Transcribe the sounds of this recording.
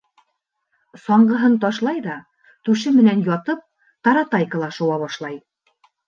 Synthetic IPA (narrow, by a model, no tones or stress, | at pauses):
sɒɴɢɤ̆ɦɤnt̪ɑʃlˠɑjðɑ | t̪ʉʃ̬ɘmɘ̆nænjɒt̪ɤp̚ | t̪ɑɾɑt̪ɑjkə̆lˠɑʃŭwɑβɑʃlˠɑj